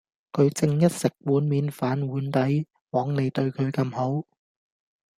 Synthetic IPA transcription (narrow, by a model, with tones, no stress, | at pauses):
kʰɵ˨˧ɥt͡sɪ˧ŋjɐ˥t̚sɪ˨k̚wuː˨˥nmiː˨˧nfaː˨˥nwuː˨˥nt̪ɐ˨˥j | wɔː˨˥ŋne˨˧jt̪ɵ˧ɥkʰɵ˨˧ɥkɐ˧mho˨˥w